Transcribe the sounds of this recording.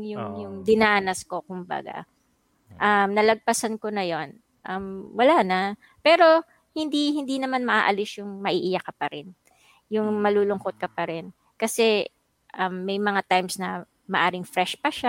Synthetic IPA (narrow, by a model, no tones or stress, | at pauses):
jʊŋjʊŋd̪ɪnaːnɐsko̞kʊmbɐ̰ɡa̰ | ʔɐmnɐlɐɡ̚pɐsɐnkonɐjo̞n | ʔɐmwɐlanɐ | pɛːɾo̞ | hɪnd̪ihɪnd̪inɐmanmɐʔa̰ːʔɐlɪsjʊŋmɐʔiːʔɪjakɐpɐɾɛn | jʊŋmɐluːlʊŋkot̪̚kɐpɐɾɛn | kɐsɛ | ʔɐmːɐjmɐŋat̪ajmsnɐ | mɐʔaːɾɪŋfɾɛʃpɐʃa